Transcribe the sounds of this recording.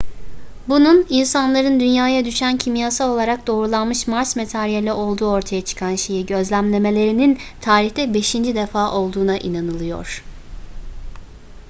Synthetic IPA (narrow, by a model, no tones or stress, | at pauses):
bununinsanlˠaɾɯnd̪ynjaːjad̪yʃæncʰimjasao̞lˠaɾak̚d̪o̞ːɾulˠanmɯʃmaɾsmet̪ʰaɾijelʲɛʔo̞lˠd̪uːo̞ɾt̪ʰajat͡ʃʰɯ̥kʰanʃe̞jiɟø̞zlʲæmlʲe̞me̞lʲe̞ɾinint̪ʰaːɾiçt̪ɛbe̞ʃind͡ʒid̪efaːʔo̞lˠd̪uːnaʔinanɯlˠɯjo̞̰ɾ̥